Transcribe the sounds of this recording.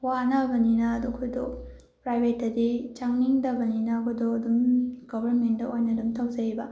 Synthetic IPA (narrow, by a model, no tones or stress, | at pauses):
wanɐbɐninɐːdukʰudɔ̰ | pɾajbʱetːɐdit͡ʃaŋniŋdɐbɐninɐkʰudoɐdumɡ̥ɔbʱɐɾmendɐojnɐdumtʰɐwzɐɾibɐ